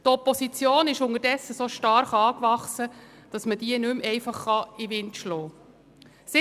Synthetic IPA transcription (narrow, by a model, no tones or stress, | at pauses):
tɔpɔsit͡sjoːnɪʃʊŋəɾdɛsːəsoːʃtɑɾχɑːkʋɑχsə | d̥ɑsməd̥iənʉmɛɪfɑχːɑiʋɪntʃlɔː | sɪ